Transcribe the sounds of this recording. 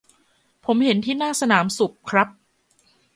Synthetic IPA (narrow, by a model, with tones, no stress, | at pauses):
pʰo˩˦mhe˩˦nt̪ʰiː˥˩naː˥˩sa˧naː˩˦msu˨˩k̚kʰɾa˦˥p̚